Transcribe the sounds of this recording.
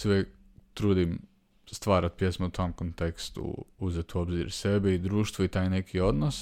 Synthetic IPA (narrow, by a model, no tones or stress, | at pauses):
seuʋjek | t̪ɾuːd̪im | st̪ʋaːɾat̪̚pje̞smout̪ʰo̞mkont̪e̞kst̪ṵuzet̪uo̞bzḭɾse̞beid̪ɾuːʃt̪ʋoit̪aːjne̞kio̞d̪nos